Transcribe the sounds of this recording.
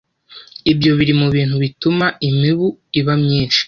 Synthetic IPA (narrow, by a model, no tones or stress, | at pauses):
ibjo̞βiɾimuβiːn̥huβitumaimiβuiβamɲiːnʃi̥